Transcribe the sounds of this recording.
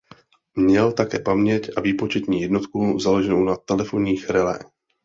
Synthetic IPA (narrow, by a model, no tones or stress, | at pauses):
mɲɛlt̪akɛːpamɲɛcʔaviːpo̞t͡ʃɛt̪ɲiːjɛdno̞t̪kuzaloʒɛnownat̪ɛlɛfo̞nɲiːxɾɛlɛ̰ː